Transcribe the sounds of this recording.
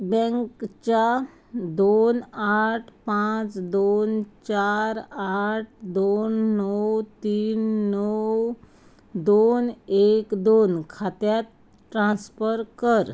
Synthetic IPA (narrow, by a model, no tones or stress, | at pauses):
bɛ̃ŋkt͡ɕa | d̪onaʈʰpãt͡sd̪ont͡ɕaɾaʈ̚ʰd̪onːɔwt̪iːnːɔw | d̪onekd̪onkʰat̪jat̪ | ʈɾãnsfəɾkəɾ